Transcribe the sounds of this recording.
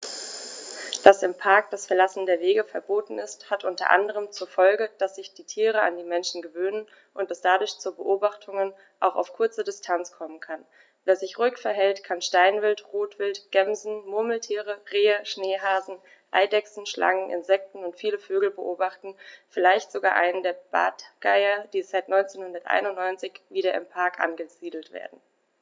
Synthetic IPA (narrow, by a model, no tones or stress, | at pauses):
d̥asɪmpʰaɐk̚d̥asfɛɐlasn̩deːɐveːɡəfɛɐboːtn̩ɪsthatʔʊntɐ̰ʔa̰ndəʁ̞əmt͡suːɐfɔlɡəd̥asz̥ɪçd̥iːtʰiːʁ̞əa̰ndiːmɛnʃn̩ɡəvøːnən | ʔʊntɛsd̥adʊɐçt͡suːɐbəʔoːbaχtʰʊŋən | ʔa̰ʊxa̰ʊfkʰʊɐt͡sədɪstʰant͡skʰɔmənkʰan | veːɐzɪçʁʊʏkfɛɐɦɛltkʰanʃtaɪnvɪltʁoːtv̥ɪltɡ̥ɛmzn̩mʊɐml̩tʰiːʁəʁeːəʃneːɦaːzn̩ | ʔa̰ɪdɛksn̩ʃlʔa̰ŋənʔɪ̰nzɛk̚tn̩ʊntfiːləføːɡl̩bəʔoːbaχtn̩fɪlaɪçtz̥oɡaːʔaɪnəndeːɐb̥a̰ːtɡ̥aɪɐd̥iːzaɪtnɔʏnt͡seːnhʊndɐtʔa̰ɪnʊntnɔʏnt͡sɪçviːɾɐɪmpʰaɐkʔa̰nɡəz̥iːdl̩tv̥ḛːɐdn̩